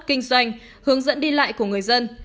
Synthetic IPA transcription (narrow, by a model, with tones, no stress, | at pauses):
kï˧ŋ̟zwa˧jŋ̟ | hɨ˨˦əŋzə̰˧˥nɗi˧la̰ː˧˨jku˧˩əŋɨ˨˩əjzə˧n